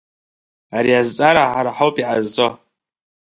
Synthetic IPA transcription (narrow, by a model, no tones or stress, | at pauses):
aɾiazt͡sʼaɾaħaɾaħawpʼiʕa̰zːʼo